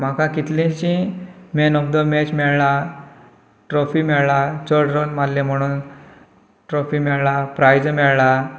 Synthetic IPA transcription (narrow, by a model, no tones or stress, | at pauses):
m̤akãkit̪lẽt͡ɕĩmenɔk̚d̪əmet͡ɕmɛɭɭa | ʈɾɔfimɛɭɭat͡səɽɾonmallːẽm̤əɽ̃uːn | ʈɾofimɛɭɭapɾajd͡zmɛɭla